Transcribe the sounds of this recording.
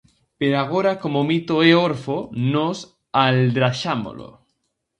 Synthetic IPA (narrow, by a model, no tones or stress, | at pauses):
peɾoaɣ̞oɾakomomit̪oeoɾfonos | ald̪ɾaʃamo̰lo̰